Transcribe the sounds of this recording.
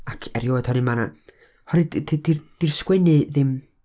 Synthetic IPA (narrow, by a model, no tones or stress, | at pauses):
akʰɛɾjoːd̥hɔɾɨmana̰ | hɔɾɨdddird̥irskwɛnɨðɪm